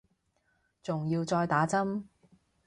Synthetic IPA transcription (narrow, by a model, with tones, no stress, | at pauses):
t͡sʊ˨ŋjiː˧wt͡sɔː˧jt̪aː˨˥t͡sɐ˥m